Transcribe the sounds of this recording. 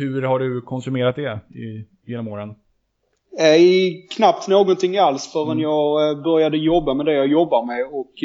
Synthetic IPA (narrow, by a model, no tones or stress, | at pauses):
hɵɾhaɖɵkʰɔnsɵmeːɾat̪̚d̪ɛɪ | jeːnɔmoːɾən | ɛkʰnap̚t̪noːɡɔnt̪ʰɪŋːalsfœːɾɛnjɑːɡbœɾjad̪əjɔbːamɛd̪ɛjɑjɔbːaɾmɛɔk